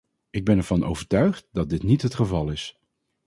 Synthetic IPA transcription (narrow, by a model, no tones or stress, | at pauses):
ɪɡ̚bɛnɛɹv̥ɑnʔo̰wvəɹtœɥχt̚dɑt̚dɪtnitɦətχəvɑlˠɪs